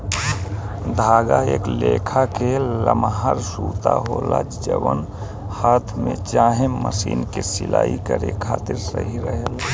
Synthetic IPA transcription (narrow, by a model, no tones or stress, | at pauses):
d̪ʱaːɡaeːklekʰakeləmɦaɾsut̪aɦolad͡ʒd͡ʒəʋən | haːt̪ʰmẽt͡ʃaːɦẽməsiːnkesilaːikəɾekʰaːt̪ɪɾsəɦiɾəɦəl